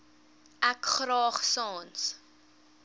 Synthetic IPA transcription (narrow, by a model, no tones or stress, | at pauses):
ʔækχɾɑːχsɑːns